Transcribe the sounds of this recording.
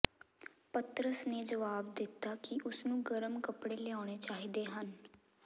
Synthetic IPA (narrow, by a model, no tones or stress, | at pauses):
pət̪ɾəsneːd͡ʒəʋaːb̚d̪ɪt̪ːaːkɪʔʊsnũːɡəɾəmkəpɽeːlɪaːɽ̃eːt͡ʃaːɦid̪eːɦən